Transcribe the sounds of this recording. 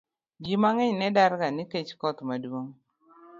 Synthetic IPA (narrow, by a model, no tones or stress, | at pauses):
ɡimaŋɛɲnɛdaɾɡaniket͡ʃkɔt̪madwoŋ